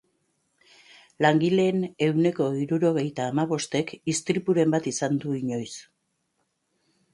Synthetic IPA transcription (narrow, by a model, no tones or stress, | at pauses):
laŋɡile̞ːne̞wne̞ko̞iɾuɾo̞ɣ̞e̞jt̪aːmaβo̞st̪e̞kist̪ɾipuɾe̞mbat̪isand̪uiɲo̞js